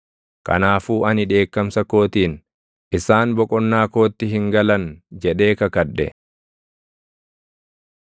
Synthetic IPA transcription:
kɐ̰naːfuːʔɐnɪᶑe̞ːkːɐmsɐko̞ːt̪iːn | ʔɪsaːnbɔkʼɔnːaːko̞ːt̪ːɪɦɪŋɡɐlɐnd͡ʒɛᶑe̞ːkɐkɐᶑːɛ̰

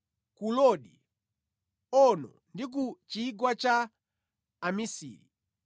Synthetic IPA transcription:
kulɔɗi | ɔnɔ̰ | ndik̬ut͡ʃiɡwat͡ʃa | amisḭːɾḭ

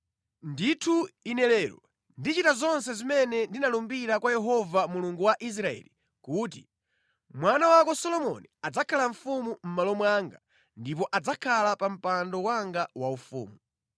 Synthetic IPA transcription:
nditʰuinɛlɛːɾɔ̰ | ndit͡ʃitazɔnsɛzimɛnɛndinalumbiɾakwajɛɦɔvamuluŋɡuwaʔis̬ɾaɛ̰li | kuːt̬i | mwanawakɔsɔlɔmɔ̰niad͡zakʰalaɱ̩fumum̩malɔmwaŋɡa | ndip̬ɔʔad͡zakʰalapam̩pandɔwaŋɡawaufṵːmu

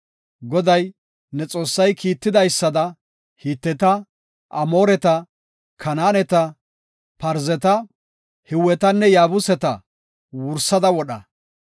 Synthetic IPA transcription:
ɡɔd̪ɐj | nɛt͡sʼo̞ːsːɐjkiːt̪ːɪd̪ɐjsːɐd̪ɐ | hiːt̪ːɛt̪ɐ | ʔɐmo̞ːɾɛt̪ɐ | kʰɐnaːnɛt̪ɐ | pɐɾzɛt̪ɐ | hɪwːɛt̪ɐnːɛjaːbʊsɛt̪ɐ | wʊɾsːɐd̪ɐwɔɗɐ

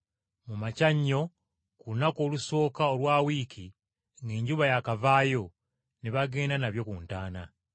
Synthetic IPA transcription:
mumacaɲːo̞ | kulunako̞ːluso̞ːkaolwaːwiːkʰi | ŋɡeːɲɟuβajakavaːjo̞ | neβaɡe̞ːndanaβjo̞kuntaːna

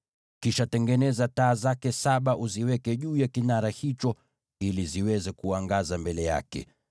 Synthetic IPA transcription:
kiʃatɛŋɡɛnɛzataːzakɛsaɓaʔuziwɛkɛʄuːjakinaɾahit͡ʃɔ | iliziwɛzɛkuaŋɡazambɛlɛja̰kɛ̰

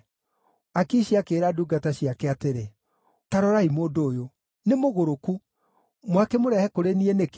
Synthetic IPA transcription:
akiːʃiakeɾaduɡataɕijakɛateɾe | taɾɔɾaimoːdoːjo | nemoɣoɾoku | mwakemoɾɛhɛkoɾenienek

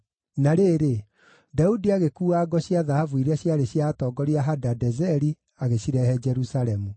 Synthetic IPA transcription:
naɾeːɾe | daudiaɣekuːaːɡɔɕjaðahavuiɾɛɕjaɾeɕjatɔːɡɔɾiaɦadadɛzɛɾi | aɣeɕiɾɛhɛd͡ʒɛɾusaɾɛmu

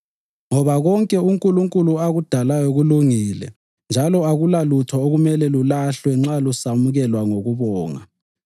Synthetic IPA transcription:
ŋɔβaɣɔŋkʼɛuŋkʼuluŋkʼuluaɣud̥ʱalajɔɣuluŋilɛ̰ | nd͡ʒʱalɔaɣulalutʰɔoɣumɛlɛlulaɬwɛŋ͡ǁalusamuɣɛlwaŋoɣuβɔːŋa̰

